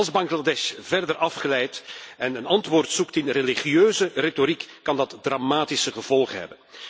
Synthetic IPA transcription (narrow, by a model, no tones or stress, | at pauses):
lˠzbɑŋɣladɛʃvɛrdəɾʔɑfχəlɛjtɛnənɑntʋoːrtsuktɪnreliχiøːzəretoɾikːɑndɑtdramaːtɪsəɣəvɔlˠχəɦɛ̰bən